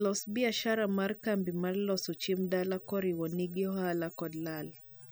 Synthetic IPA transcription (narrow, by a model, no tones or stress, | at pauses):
lɔsbiaʃaɾamaɾkambimaɾlɔsut͡ʃimdalakɔɾiwɔniɡiɔɦalakɔdlal